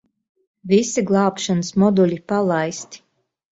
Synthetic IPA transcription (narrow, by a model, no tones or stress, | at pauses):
visiɡlˠɑːpʃanəsmɔd̪ulʲipalˠajst̪i̥